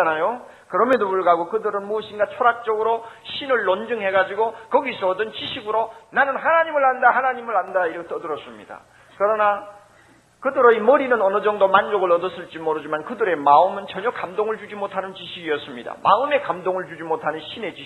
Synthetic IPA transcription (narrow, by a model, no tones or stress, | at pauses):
anajo | kɯɾʌmedopuɭɡaɡokɯdɯɾɯnmuɕʰinɡat͡ɕʰoɾak̚t͡ɕ͈ʌɡɯɾoɕʰinɯɭːʌnd͡ʑɯŋɦe̞ɡad͡ʑiɡokʌɡisʰʌdɯnt͡ɕiɕʰiɡɯɾonanɯnɦanaɲimɯɭɦandahanaɲimɯɭhandaiɾʰt͈ʌdɯɾʌs͈ɯmɲida̰ | kɯɾʌna | kɯdɯɾoimʌɾinɯnʌnɯd͡ʑʌŋdomand͡ʑoɡɯɭʌdʌs͈ɯɭt͡ɕ͈imoɾɯd͡ʑimankɯdɯɾe̞maɯmɯnt͡ɕʌɲʌkamdoŋɯɭt͡ɕud͡ʑimotʰanɯnt͡ɕiɕʰiɡiʌs͈ɯmɲida̰mʔa̰ɯme̞kamdoŋɯɭt͡ɕud͡ʑimotʰanɯnɕʰine̞t͡ɕi